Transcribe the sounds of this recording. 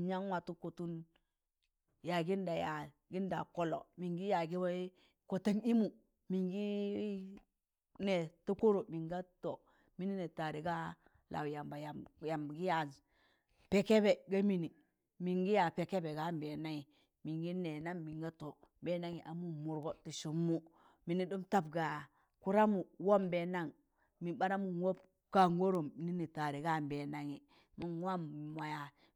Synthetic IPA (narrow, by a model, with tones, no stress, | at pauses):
ɲa˦ŋwa˨tu˦ko˨tu˦n | ja˨ɡi˦nda˨ja˨ | ɡi˦nda̰˨ko˦lo̰˨mi˨ŋɡi˦ja˨ɡi˦ba˦ | ko˨ta˦ŋi˦mu˨ | mi˨ŋɡi˦ | ne˨ta˦ko˦ɾo˨mi˨ŋɡa˦to˨ | mi˦ni˦ne˨ta˨ɾi˨ɡa˦ | lʔa̰˨wja˨mba˨ja˨ja˨m˨ɡi˦ja˨ | pe˨ke˦be˨ɡa˦mi˨ni˨ | mi˨ŋɡi˦ja˨pe˨ke˦be˨ɡa˦˨m˨be˨na˦ŋi˨ | mi˨ŋɡi˦ne˨na˦ŋmi˨ŋɡa˦to˨ | be˦na˦ŋi˨ʔa˨mu˦mu˨ɾɡo˦ti˨ʃu˨mːu˦ | mi˨ni˦du˦mta˦bɡa˨ | ku˦ɾa˦mu˨wo˦mbe˦na˦˨ŋ | mi˨ba˦ɾa˦mu˨wo˦p | ka˦ŋɡo˦ɾo˨mi˨˦ni˦ni˨ta˨ɾi˨ɡa˦˨mbe˨na˨ŋi˨ | mi˦nwa˦m˨ma˨ja˨